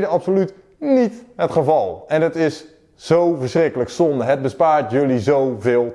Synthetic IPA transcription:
dəɑpsolyt | nitɦətχəvɑlˠɛnɦətɪs | z̥owvəɹsrɪkələksɔndəɦəd̚bəspaːɹtjɵlizowvɪːlˠ

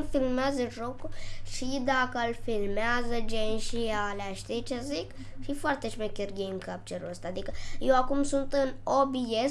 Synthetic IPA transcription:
lfilmaːzɐʈɾokuʃid̪aːkɐlfilmazɐd͡ʒenʃiaːlaʃt̪et͡ʃɐzik | ʃifɐɾt̪ɐt͡ʃmekiɾɡeːmkɐp̚t͡ʃɐɾɐst̪ad̪ikjoakumsunt̪ɨnoːbies

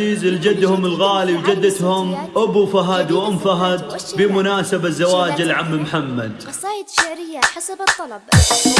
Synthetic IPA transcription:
iːzɪld͡ʒad̪ːhʊmɪlɣaːliwd͡ʒad̪ːat̪hʊmʔʊbufaɦad̪wʔʊmfaɦad̪̚bɪmʊnaːsabazːawaːd͡ʒɪlʕamːmħamːad̪ˤɾɪːaat̪ˤːɑl

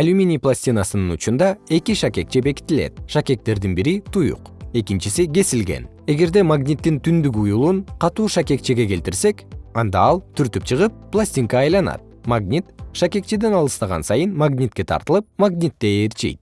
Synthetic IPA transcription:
alʲumʲinʲiplˠasʲtʲinasɯnɯnut͡ʃund̪ɑe̞kʲiʃakʲe̞k̚t͡ʃebe̞ki̥t̪ilḛt̪̚ʃakʲe̞k̚t̪e̞ɾd̪inbiɾit̪ʰujṵqe̞kʲint͡ʃisiɡʲe̞silɡe̞̰n | e̞ɡe̞ɾd̪e̞maɡnʲit̪ːint̪ʰynd̪yk̬ujulˠunqʰɑt̪uːʃakʲe̞k̚t͡ʃeɡe̞ke̞lt̪iɾse̞kɑnd̪ɑɑlˠt̪ʰyɾt̪yp̚t͡ʃʰɯʁɯpːlˠasʲt̪ʲiŋkɑːjlˠɑnɑ̰t̪̚maɡnʲit̪ʃakʲe̞k̚t͡ʃed̪e̞nɑlˠɯst̪ɑʁɑ̰nsɑjɯnmaɡnʲit̪̚kʲe̞t̪ʰɑ̰ɾt̪ɯlˠɯp̚maɡnʲit̪ːe̞ːɾt͡ʃḭjt̪̚

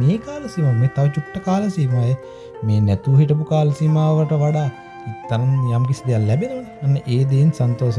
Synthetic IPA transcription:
meːkaːləsimameːt̪aʋət͡ʃuʈːəkaːləsimajə | meːnɛt̪uɦiʈəp̬ukaːlɐsimaːʋəʈəʋaɖaː | t̪ːɐnɐnjamkisid̪ejalːɛbenəʋənəɐnːəʔeːd̪einsant̪oːsə

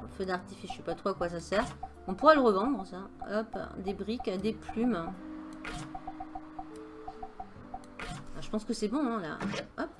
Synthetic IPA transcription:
fød̪aʁt̪ifeʒsɛpat̪χoakwas̬asɛːʁ | ɔ̃puʁɛləʁəvɑ̃d̪ʁəsaɔpd̪ebʁikʲd̪eplym | ʒəpɑ̃skəsɛbɔ̃ɛ̃la̰ʔɔp̚

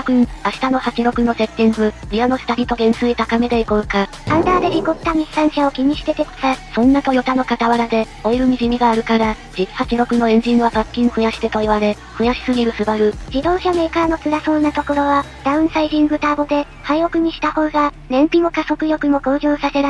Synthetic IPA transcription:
kɯ̟̃aɕi̥t̪ano̞hat͡ɕiɾo̞kɯ̟no̞se̞t̪ːĩŋɡɯ̟ɾʲiano̞sɨ̥t̪aɾʲit̪o̞ɡẽ̞ñsɨit̪akame̞d̪eikoɯ̟ka | t̪ãnt̪aːd̪e̞ɾʲikot̪ːamʲisːãɰ̃ɕao̞kʲiɲ̟iɕi̥t̪e̞t̪eko̥sasõ̞nːat̪o̞jo̞t̪ano̞kat̪aβaɾad̪e̞ | oiɾɯ̟mʲiʑimʲiɡaːɾɯ̟kaɾa | d͡ʑiki̥hat͡ɕiɾo̞kɯ̟no̞ẽ̞ɲ̟d͡ʑĩɰβasakʲːĩŋɸɯ̟jaɕi̥t̪e̞t̪o̞iβaɾe̞ | ɸɯ̟jaɕi̥sɨɡʲiɾɯ̟sɨbaɾɯ̟d͡ʑid̪o̞ːɕame̞ːkaɾno̞t͡sɨɾaso̞ːnat̪o̞ko̞ɾo̞βa | d̪̥aɯ̟̃ɰ̃saiʑĩŋɡɯ̟t̪aːbo̞d̪e̞ | haio̞kɯ̟ɲ̟iɕi̥t̪aho̞ːɡa | ɾẽ̞mpʲino̞kaso̞kɯ̟jo̞kɯ̟mo̞ko̞ːʑoːsase̞na

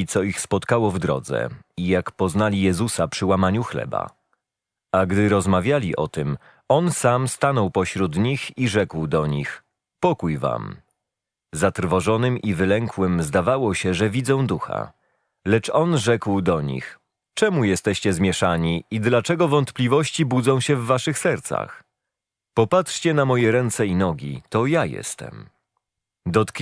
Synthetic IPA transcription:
t̪sɔixspɔt̪kawɔvd̪ɾɔ̰d̪zɛ̰ijakpɔznalʲijɛzusapʂɘwamaɲuxlɛ̰ba̰ | aɡd̪ɘɾɔzmavʲjalʲiʔɔ̰t̪ɘm | ɔnsamst̪anɔwpɔɕɾud̪ɲixiʐɛkwd̪ɔɲix | pɔkujva̰m | zat̪rvɔʐɔnɘmʔivɘlɛŋkwɘmzd̪avawɔɕɛʐɛvʲid̪zɔ̃w̃d̪uxa̰ | lɛt͡ʂɔnʐɛkwd̪ɔɲḭx | t͡ʂɛmujɛst̪ɛɕt͡ɕɛzmʲjɛʂaɲiid̪lat͡ʂɛɡɔvɔnt̪plʲivɔɕt͡ɕibud̪zɔ̃w̃ɕɛvːaʂɘxsɛɾt̪sa̰x | pɔpat̪ʂt͡ɕɛnamɔjɛɾɛnt̪sɛinɔɡʲḭt̪ɔjajɛ̰st̪ɛ̰m | d̪ɔt̪k

